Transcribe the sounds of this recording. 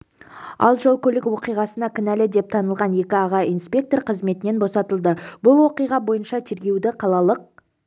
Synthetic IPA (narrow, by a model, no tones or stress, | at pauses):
ɑ̰lˠʒolˠkʲʰɵlɪkwo̞qijʁɑsənɑkʲɪnælɪd̪e̞p̚t̪ʰɑnəlˠʁɑnje̞kʲɪɑʁɑijnspʲe̞k̚t̪o̞rqʰəzme̞t̪ɪne̞nbo̞sɑt̪əlˠd̪əbʊlˠwo̞qijʁɑbo̞jənʃɑt̪ʰe̞ɾɡʲe̞wd̪ɪqʰɑlˠɑlˠəq̚